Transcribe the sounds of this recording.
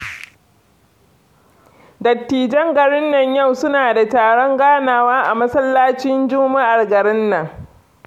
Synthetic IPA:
dɐ˨tːiː˨d͡ʒɛ˦ŋɡɐ˨ɽɪ˦nːɐ˨ɲjɐ˦˨wsʊ˦naː˨da˨taː˨ɽɔ˦ŋɡaː˦naː˨waː˦ʔa˨mɐ˦sɐ˦lːaː˦t͡ʃɪ˦nd͡ʒʊ˦ma˦ʔa˨rɡɐ˨ɾɪ˦nːɐ˨ŋ

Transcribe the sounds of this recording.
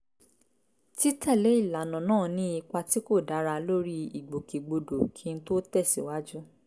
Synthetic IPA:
ti˦ta˦˨le˨˦i˦˨la˨nɔ̃˨nãː˦˨nĩ˦i˧k͡pa˧ti˦ko˦˨da˨˦ɾa˧lo˦ɾi˦i˨ɡ͡bo˨ki˨ɡ͡bo˧do˨kʰi˨˧n̩˦to˦tɛ˦˨sḭ˨wa˦d͡ʒu˦

